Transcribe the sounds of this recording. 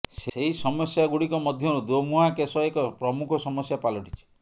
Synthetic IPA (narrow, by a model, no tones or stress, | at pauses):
seɦisɔmɔsjaɡuɽikɔmɔd̪ʱjɔɾud̪omuɦakesɔekɔpɾɔmukʰɔsɔmɔsjapalɔʈit͡ʃʰi̥